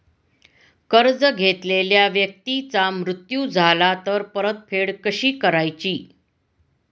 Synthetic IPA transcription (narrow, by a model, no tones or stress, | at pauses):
kəɾd͡zəɡʱet̪leljaʋjək̚t̪it͡samɾut̪jud͡zʱalat̪əɾpəɾət̪̚fʰeɽkəɕiːkəɾajt͡ɕiː